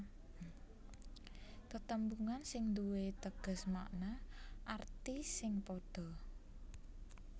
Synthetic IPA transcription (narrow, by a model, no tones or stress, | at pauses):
t̪ət̪əmbuŋansɪŋd̪uwet̪əɡ̥ə̤sma̰ʔnaʔart̪isɪŋpoɖ̥ɔ̤